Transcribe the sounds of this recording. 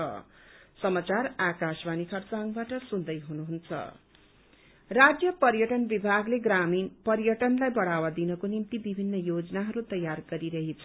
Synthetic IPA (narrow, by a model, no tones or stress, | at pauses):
ʌ̰sʌmat͡sarakasbanikʰʌrt͡saŋbaʈʌsund̪ʌjɦunuɦunt͡sʰʌ̰ | rad͡zjʌpʌɾjʌʈʌnbibʱaɡleɡraminpʌɾjʌʈʌnlajbʌɽ̤awad̪inʌkonimt̪ibibʱinːʌjod͡zʌnaɦʌɾut̪ʌjːarɡʌɾiɾʌɦit͡sʰʌ